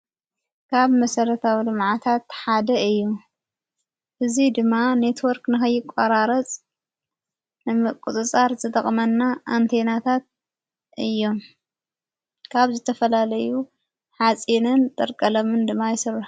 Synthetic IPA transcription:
kʰaβmɐsɐɾɐt̪ʰawilɨmʕat̪ʰat̪ħad̪ɐɨjːu | ʔɨzid̪ɨmːane̞t̪ʰwɔɾknɨxɐjːɪkʼːaɾaɾɐt͡sʼ | nɨmɨkʼut͡sʼɨt͡sʼaɾzɨt̪ʼɐχʼmɐnːaʔːnt̪ʰe̞nat̪ʰat̪̚ | ʔɨjːo̞m | kʰaβzɨt̪ʰɐfɐlalɐju | ħat͡sʼinɨnt̪ʼɐɾkʼɐlomɨnd̪ɨmːajɪsɨrːɐħ

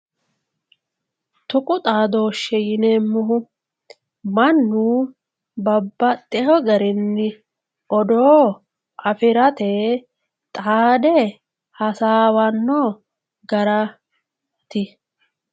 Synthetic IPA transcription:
t̪ʊkʼʊt̪ʼaːd̪o̞ːʃːɛjɪneːmːʊɦʊ | mɐnːuː | bɐbːɐt̪ʼːɛhɔɡɐɾɪnːɪ | ʔɔd̪oː | ʔɐfɪɾɐt̪e | t̪ʼaːd̪ɛ | hɐsaːwɐnːɔ | ɡɐɾɐ | t̪ɪ

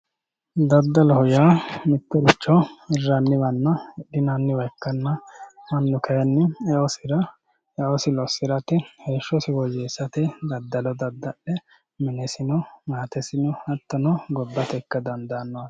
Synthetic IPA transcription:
d̪ɐd̪ːɐlɔhɔjaːmɪt̪ːɔɾɪt͡ʃːɔɪrːanːɪwɐnːɐɗɪnanːɪwɐjkːɐnːɐmɐnːʊkɐjɐnːɪɛɔsɪɾɐ | ɛɔsɪlɔsɪɾɐt̪ɪheːʃːɔsɪwɔjeːsːɐt̪ɛd̪ɐd̪ːɐlɔd̪ɐd̪ːɐɗɛ | mɪnɛsɪnɔmaːt̪ɛsɪnɔɐt̪ːɔnɔɡɔbːɐt̪ɛkːɐd̪ɐnd̪anːɔwɐ

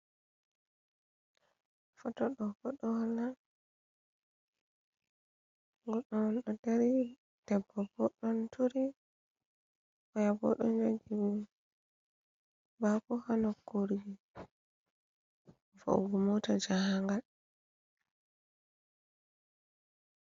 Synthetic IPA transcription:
fɔtɔɗɔkɔɗɔhalːa | ŋɡɔɗɔnɗɔdeɾi | d̥ɛbːɔbɔɗɔntʰuɾi | wɔjabɔ̰ɗɔ̰nd͡ʒaɡiwi | bakɔhanɔkːoɾɡi | fo̰ɡumɔtad͡ʒahaŋɡal

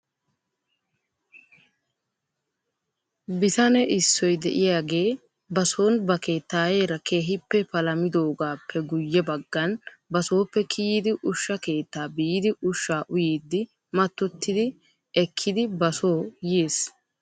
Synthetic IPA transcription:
bɪt̪ɐnɛʔɪsːɔjd̪ɛ̰ʔɪjaːɡe̞ː | bɐso̞ːnbɐke̞ːt̪ːaːjeːɾɐkʰe̞ːɦɪpːɛpɐlɐmɪd̪o̞ːɡaːpʰːɛɡʊjːɛbɐɡːɐnbɐso̞ːpːɛkʰijd̪ɪʔʊʃːɐke̞ːt̪ːaːbiːd̪ɪʔʊʃːaːʔʊjiːd̪ːɪ | mɐt̪ːɔt̪ːɪd̪ɪ | ɛkʰːɪd̪ɪbɐso̞ːjeːs

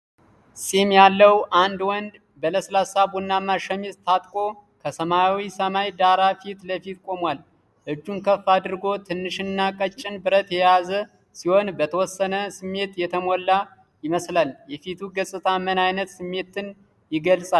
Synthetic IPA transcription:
sʼimjalːəwʔand̪wɔnd̪ | bələslasabunːamaʃəmizt̪ʰat̪ʼkʼo̞ | kʰəsəmawisəmajd̪aɾafit̪ləfit̪kʼo̞mwal | ʔɨd͡ʒːunkʰəfːad̪ɨɾɡo̞t̪ʰɨnːɨʃɨnːakʼət͡ʃʼːɪnbɨɾət̪jɛjazə | siho̞nbət̪ʰəwɔsːənəsɨmːe̞t̪jɛt̪ʰəmolːa | jɪməslaljɛfit̪ʰuɡəsʼɨt̪ʰamənajnət̪sɨmːe̞t̪ɨn | jɪɡəlsʼa

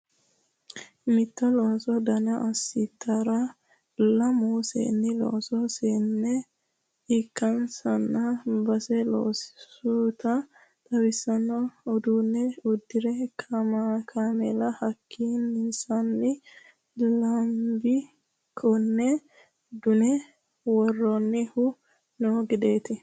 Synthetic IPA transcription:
mɪt̪ːɐloːsɔd̪ɐnɐʔɐsːɪt̪ːɐɾɐ | lɐmusḛːnːɪlo̰ːsɔsenːɛ | ɪkːɐnsɐnːɐbɐsɛlo̰ːsɪ̥sut̪ɐ | t̪ɐwɪsːɐnːɔːd̪uːnːɛʊd̪ːɪɾɛkʰɐmakʰamɛlɐhɐkʰːiːnɪsɐnːɪ | lɐmbɪ | kʰɔnːɛ | d̪ʊnɛ | wɔrːɔnːɪhʊ | noɡɪd̪e̞ːt̪ɪ

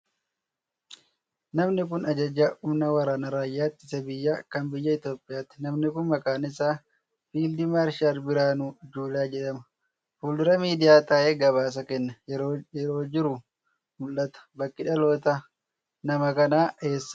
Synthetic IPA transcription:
nɐmnɪkʊnɐd͡ʒɐd͡ʒːaːʔʊmnɐwɐɾaːnɐɾaːjːaːt̪ːɪsɛbɪjːaːkɐnbɪjːɐɪt̪jo̞ːpʼːɪjaːt̪ːɪnɐmnɪkʊnmɐkaːnɪsaː | fiːld̪ɪmaːɾʃaɾbɪɾaːnud͡ʒuːlaːd͡ʒɛᶑɐmɐ | fuːldɪɾɐmiːd̪ɪjaːt̪aːʔeɡɐβaːs̬ɐkɛnːɐɾoːjɛɾo̞ːd͡ʒɪɾʊ | mʊlːɐt̪ɐ̥bɐkːɪᶑɐlo̞ːt̪a | nɐmɐkɐnaːʔe̞ːsː

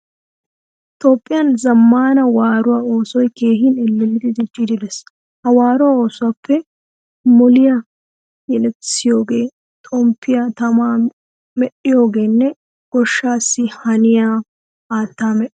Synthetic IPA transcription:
t̪ʼo̞ːpʼːɪjɐnzɐmːaːnɐwaːɾʊwaːo̞ːsɔjke̞ːɦɪnɛlːɛlːɪd̪ɪd̪ɪd͡ʒːɪd̪ɪd̪ɛs | hɐwaːɾʊwaːo̞ːsʊwapʰːɛ | mɔlɪja | jɛlɛt͡sːɪjo̞ːɡe̞ː | t̪ʼɔmpʰːɪjaːt̪ɐmaː | mɛʔɪjo̞ːɡe̞ːnːɛ | ɡ̥ɔʃːaːsːɪhɐnɪjaː | t̪ːaːmɛʔ

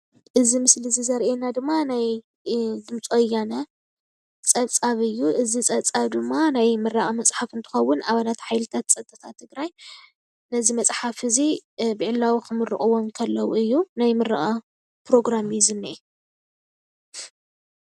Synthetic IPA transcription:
ʔɨzimɨslizizɐɾʔenad̪ɨmːanaj | d̪ɨmt͡sʼojːanɐ | t͡sʼɐt͡sʼaβɨjːuʔɨzit͡sʼɐt͡sʼaβd̪ɨmːanajmɨɾːaχʼɐmɐt͡sʼħafɨnt̪ʰɨ̥xɐwːʊnaβalat̪ħajlɨt̪ʰat̪̚t͡sʼɐt̪ʼːɐt̪ʰat̪ʰːɨɡɾaj | nɐzimɐt͡sʼħafhɨzibɨʕɨlːawikʰɨmɨɾɨ̰χʼɨwomkʰɐlːɐwuɨjːunajmɨɾɨ̰χʼa | pɾo̞ɡɾamizɨnːiʔe

